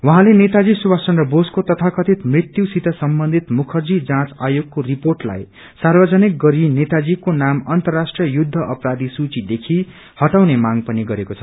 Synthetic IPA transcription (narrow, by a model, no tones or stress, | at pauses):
wʌɦãlenet̪ad͡zisuwasʌnrʌboskot̪ʌt̪ʰakʌt̪ʰit̪mrit̪jusit̪ʌsʌmbʌnd̪ʱit̪mukʰʌrd͡zid͡zãt͡sajoɡ̚koriporʈla̰j | sarbʌd͡zʌnik̚ɡʌɾinet̪ad͡zikonamʌnt̪ʌrːasʈriʌjud̪ʱːʌʔʌpɾad̪isut͡sid̪ekʰi | hʌʈawnemaŋpʌniɡʌɾekot͡sʰʌ